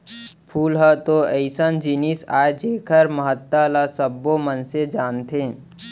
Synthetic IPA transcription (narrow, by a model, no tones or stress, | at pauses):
pʰuːlɦət̪oəɪsənd͡ʒinisa̰ːed͡ʒeːkʰəɾməɦət̪ːalasəbːomənsed͡ʒaːnt̪ʰẽː